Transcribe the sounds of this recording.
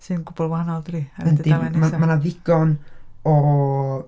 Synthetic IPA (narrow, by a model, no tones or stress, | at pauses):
sinɡʊbɔlˠwahanɔlˠdɾiəndimamanaðɪɡ̥ɔnɔ